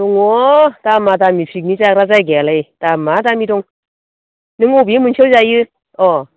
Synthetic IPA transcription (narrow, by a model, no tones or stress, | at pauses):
uŋɔtamatamifʰik̚nit͡sakɾazajɡɛlejtamatamidɔŋ | nɯŋobimɯnt͡ʃʰəwzajɯ | ʔɔ